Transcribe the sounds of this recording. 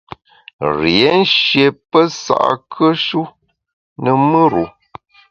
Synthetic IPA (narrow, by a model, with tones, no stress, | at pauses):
ɾje˨˦n̩˦ʃje˨pə˦sa̰˨ʔa̰˨kʰə˦ʃu˦ | nə˨mə˦ɾu˨